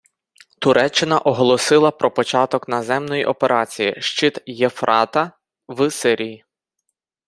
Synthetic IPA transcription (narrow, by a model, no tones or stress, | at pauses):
t̪ʊɾɛt͡ʃːɪnɐʔɔɦɔlˠɔsɪlˠɐpɾɔpɔt͡ʃɑt̪ɔknɐzɛmnɔjiʔɔpeɾʔɑt͡sʲijḭʃt͡ʃɪt̪jefɾʔɑt̪ɐ | ʋsɪɾʲiji